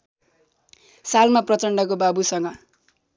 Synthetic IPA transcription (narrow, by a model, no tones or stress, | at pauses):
salmaprʌt͡sʌɳɖʌk̬obabusʌŋɡʌ